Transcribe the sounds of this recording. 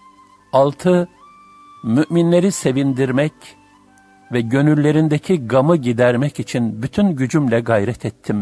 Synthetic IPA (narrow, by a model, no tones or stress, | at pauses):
alˠt̪ʰɯ | myʔminlʲe̞ɾise̞vind̪iɾmɛc | vɛɟø̞nyɾlːʲe̞ɾind̪ecʰiɡamɯɟid̪æɾmɛcit͡ʃʰinbyt̪ʰynɟyd͡ʒymlʲɛɡajɾɛt̪ʰɛt̪ʰːim